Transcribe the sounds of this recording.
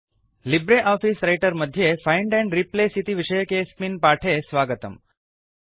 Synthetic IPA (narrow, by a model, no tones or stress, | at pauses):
libɾeʔɔfisɾajʈəɾməd̪ʱjefaɪɳɖɛ̃ɳɖɾiplesit̪iʋiʃəjəkesminpaʈʰesʋaɡət̪ə̰m